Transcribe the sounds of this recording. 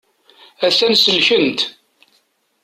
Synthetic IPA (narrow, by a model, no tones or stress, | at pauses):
æθænsəlçənt̪